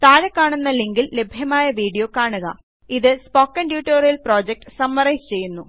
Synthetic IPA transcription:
t̪aːɾɐkːaːɳunːɐliŋɡille̞bʱjɐmaːjɐʋiːɽɖijo̞ːkaːɳuɣɐ̰ | iðɨspoːkːɐnɖjuːʈːoːrijɐlproːd͡ʑek̚ʈɨ̥sɐmːɐrɐjst͡ɕe̞jːunːu

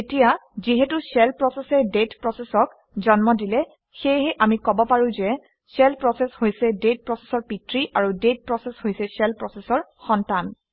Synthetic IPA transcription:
etijaziɦɛtusɛlpɹɔsɛsɛdetpɹɔsɛsɔk | zɔnmɔdilɛ | xejɦɛʔamikɔbɔpaɹʊ̃zɛ | sɛlpɹɔsɛshojsɛdet̚pɹɔse̥sɔɹpitɹiʔaɹudet̚pɹɔsɛshojsɛsɛlpɹɔsɛsɔɹxɔntan

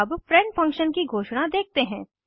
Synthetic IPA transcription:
ɐbfɾɛ̃ɳʈfɐ̃ŋkʃənkiɡʱoːʃɽad̪eːk̚ʰt̪eɦɛ̃ː

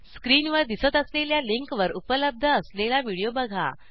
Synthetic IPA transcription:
skɾiːnʋəɾd̪isət̪əsleljaliŋkʋəɾupələb̚d̪ʱəːslelaʋiɽijobəɡʱa̰

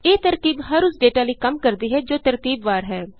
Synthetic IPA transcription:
eːt̪əɾt̪iːbɦəɾʊsɖeːʈaːləiːkəmkəɾd̪iːɦɛːd͡ʒoːt̪əɾt̪iːbʋaːɾɦɛː

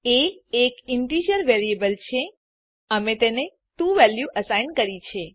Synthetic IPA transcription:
eːkɪɳʈid͡ʒəɾʋeɾiebəlt͡ʃʰe | əmet̪ene | ʈuʋɛljuʔəsajnkəɾit͡ʃʰe

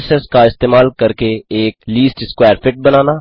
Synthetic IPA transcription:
sɛːskaɪst̪eːmaːlkəɾkeeːkliːsʈɪskwɛːɾfɪʈ̚bənaːnaː

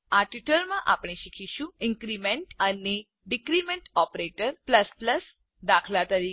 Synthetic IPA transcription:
aʈiʈəlmãʔapɽ̃eɕikʰiɕũĩŋkɾimeɳʈəne | ɖikɾimẽɳʈɔpɾeʈəɾpləspləs | d̪akʰlat̪əɾi

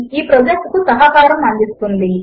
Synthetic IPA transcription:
iːpɾɐd͡ʒɐk̚kusɐɦakaːɾɐmɐnd̪ist̪und̪i

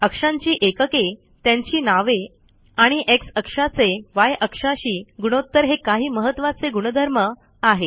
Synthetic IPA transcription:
əkʂãɲt͡ɕiːʔekəke | t̪jaɲt͡ɕiːnaʋe | aɽ̃iʔeksəkʂat͡seʋajʔəkʂaɕiːɡuɽ̃ot̪ːəɾɦekaɦiːməɦət̪ʋat͡seɡuɽ̃əd̪ʱəɾmə | aɦe

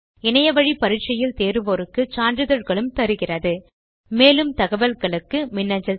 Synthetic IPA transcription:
ɪnɐjɐʋɐɻipɐɾɪʈ̚t͡ʃːɐjɪlt̪eːɾɯʋɔɾɯkːɯt͡ʃaːndrɯðɐɻɣɐɭɯmt̪ɐɾɯɣɪrɐðɯ | meːlɯmt̪ɐɣɐʋɐlɣɐɭɯkːɯmɪnːɐɲd͡ʒɐ

